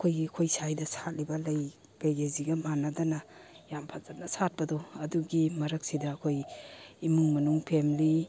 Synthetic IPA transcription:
ɐkʰojɡiɐkʰojsajdɐsat̚libɐlɐj | ɡ̥ajɡeziɡɐmanadɐnɐjampʰazat̚nɐsat̚pɐdɔɐduɡimɐɾɐk̚sidɐːkʰojimuŋmɐnuŋpʰemli

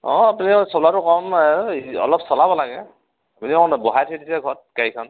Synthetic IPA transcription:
ɔapunisɔlatʊkɔm | ɔ̰lɔpsɔlabɔlaɡɛ | apuniɔnbɔɦajtʰidisɛɡʱɔt̚kaikʰɔn

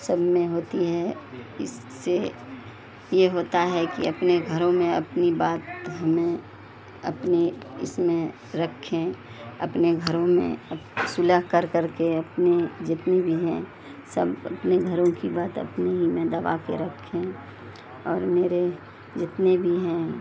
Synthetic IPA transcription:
səbʱmẽɦoːt̪iɦɛɪ̰sːe | jeɦoːt̪aɦɛkḭɐpneɡʱɐɾõmẽɐpnibaːt̪ɦɐmẽ | ɐ̰pneɪ̰smẽ | ɾɐkʰːẽ | ɐ̰pneɡʱəɾõmḛ̃əsʊləɦkəɾkəɾkeɐpned͡ʒɪt̪nebʱiɦɛ̰̃ | səbɐ̰pneɡʱəɾõkibaːt̪ə̰pneɦimẽd̪ɐʋa̰kḛɾəkʰːẽ | ɔːɾmeːɾe | d͡ʒɪt̪nebʱiɦɛ̃ː

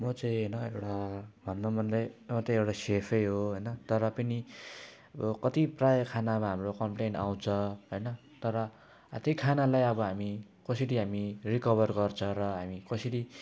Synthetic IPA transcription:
mʌt͡saĩʌjnʌewʈabʱʌnːomʱʌnd̪ʌjmʌt͡sʌĩewʈasepʰʌjɦoɦojnʌt̪ʌɾʌpʌni | bʌkʌt̪iprajʌkʰanamaɦamrokʌmpleɳʈaw̃t͡sʰʌɦojnʌ | t̪ʌɾʌ | at̪ikʰanalajʌbʌɦami | kʌsʌɽiɦamirikʌβʌrɡʌrt͡sʰʌɾʌɦamikʌsʌʈi

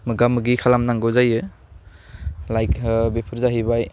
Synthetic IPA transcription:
mɯɡamɯɡikʰalamnaŋɡɯzajɯ | lajkʰbepʰɯɾzaɦibaj

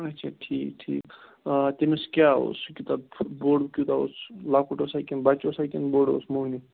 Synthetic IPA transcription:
ɐtːt͡ʃʰaʈʰiːkʈʰḭːk | t̪emeskʲaɦo̰skʲut̪aboɽkʲut̪ao̰slakʰuʈosajkenbat͡ʃosajkenboɽo̰smoni

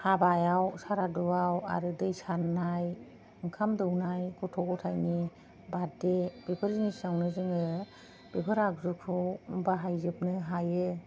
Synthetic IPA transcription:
habajawsaɾadɔwawa̰ɾɯdɯjsaɾnaj | ɯŋkʰamdɯwnajkʰɔtʰɔɡɔtʰajni | badebepʰɯɾinisawnɯzɯŋɯ | b̥ebʰɯɾaɡzukʰɯwbaɦajzɯp̚nɯɦajɯ

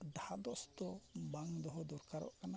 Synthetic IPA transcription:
d̪ahad̪ɔst̪ɔbaŋd̪ɔɦɔd̪ɔɾkaɾɔ̰ʔkana

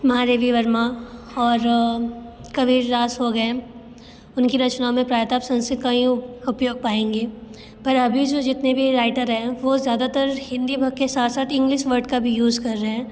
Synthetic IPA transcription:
mɐɦãɾeːʋiʋɐɾma | ɔːɾ | kɐʋiɾɾaːsɦoɡɐẽ | ʊnkiɾɐt͡ʃnaːõmẽpɾaːjt̪aːpsɐ̃nsɪt̪kaĩʊpjoːɡ̚paːẽːŋɡeː | pɐɾɐbʱid͡ʒoːd͡ʒɪt̪nebʱiɾaːɪʈəɾɦɛ̃ʋozjaːd̪at̪əɾhɪ̃nd̪ibʱɐɡ̚kːesaːt̪saːt̪ɪ̃ŋɡlɪʃʋəɾɖkabʱijuːzkɐɾːɐɦɛ̃ː

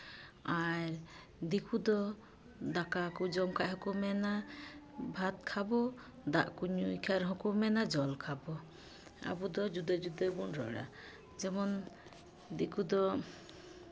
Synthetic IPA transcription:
aɾ | d̪ikʰud̪ɔ | d̪akakud͡ʒɔmkʰaʔɦɔkumɛna | bʱat̪̚kʰabɔ | d̪aʔkuɲuikʰaɾɦɔ̃kumɛnad͡ʒɔlkʰabɔ | a̰bud̪ɔd͡ʒud̪ad͡ʒud̪ɔbɔnɾɔ̰ɽa̰ | d͡ʒɛmɔn | d̪ikʰud̪ɔ

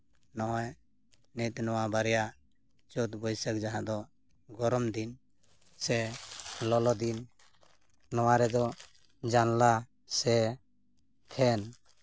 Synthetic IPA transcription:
nɔɔj | nit̪nɔwabaɾɛjaʔ | t͡ʃɔt̪bɔjsək̚d͡ʒaɦãd̪ɔ | ɡɔɾɔmd̪in | sɛlɔlɔd̪in | nɔwaɾɛd̪ɔ | d͡ʒanla | sɛ | t̪ʰɛn

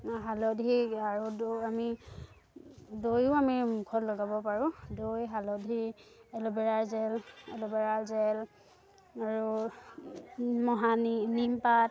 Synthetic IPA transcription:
ɦalɔdʱiaɹudami | dojʊamimukʰɔtlɔɡabɔpaɹũdojɦalɔdʱiɛlɔbɛɹalzɛlɛlɔbɛɹalzɛl | aɹu | mɔɦanimpat̚

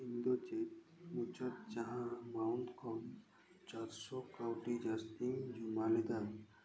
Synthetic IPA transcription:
ind̪ot͡ʃet̪̚ | mut͡ʃat̪̚d͡ʒaɦãmawnt̪kʰɔm | t͡ʃaɾsɔkawʈid͡ʒast̪iŋd͡ʒumaled̪an

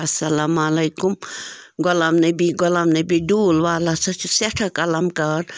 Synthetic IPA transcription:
ɐsɐlaːmalɐjkumɡɔlamnebiɡɔlamnebiɖuːlʋaːlasʰɐt͡ʃʰuseʈʰakɐlamkɐɾ

